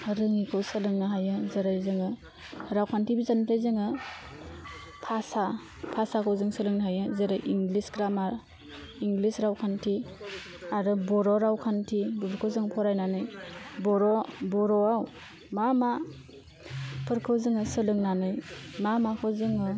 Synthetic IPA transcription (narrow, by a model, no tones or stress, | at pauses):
ɾɯŋikʰɯwsɯlɯŋnaɦajɯzeɾajzɯŋɯ | ɾawkʰantʰibizantʰajzɯŋɯ | pʰasa | pʰasakʰɯwzɯŋsɯlɯŋnaɦajɯzeɾajʔiŋɡlisɡɾamaɾ | iŋɡlisɾawkʰantʰi | aɾɯbɔɾɔɾawkʰantʰibɯbʰɾkʰɯwzɯŋpʰɔɾajnanɯjbɔɾɔbɔɾɔaw | mama | pʰɯɾkʰɯwzɯŋɯsɯlɯŋnanɯjmamakʰɯzɯŋɯ